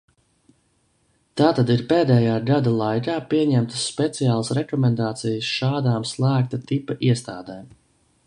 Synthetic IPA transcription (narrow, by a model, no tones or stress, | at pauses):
t̪aːt̪ad̪iɾpeːd̪ɛːjaːɡad̪alˠajkaːpiɛɲæmt̪ə̥sːpet̪sijaːlˠasɾɛkɔmɛnd̪aːt̪sijəsʃaːd̪aːmslˠæːk̚t̪at̪ipaʔiɛst̪aːd̪ɛːm